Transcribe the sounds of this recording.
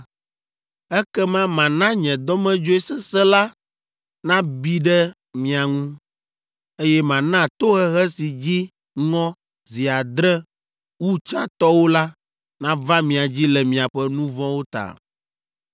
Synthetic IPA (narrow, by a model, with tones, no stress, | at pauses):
ɛ˦kɛ˦mã˦mã˨nã˦ɲɛ̃˨d̪ɔ˦mɛ̃˦d͡ʒo˦ɛ˦sɛ˦sɛ˦la˦ | nã˦bi˦ɖɛ˦ | mĩ˨a˨ŋũ˦ | e˦jɛ˦mã˨nã˦˨t̪o˦ɣɛ˦ɣɛ˦si˨d͡ʑi˦ | ŋɔ̃˦ | zi˨a˨d̪ɾɛ˦ | wu˦t͡ʃa˦t̪ɔ˦wo˦la˦ | nã˦va˦mĩ˨a˨d͡ʑi˦lɛ˨mĩ˨a˨ɸɛ˦nũ˦vɔ̃˦wo˦t̪a̰˨